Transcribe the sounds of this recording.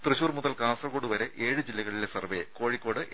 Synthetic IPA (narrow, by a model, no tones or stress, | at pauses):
t̪rɨɕuːrmuðɐlkaːnsɐrkoːɖɨʋɐɾe̞ʔe̞ːɻɨd͡ʑilːɐɣɐɭilesɐrʋeko̞ːɻikːo̞ːɽɨʔ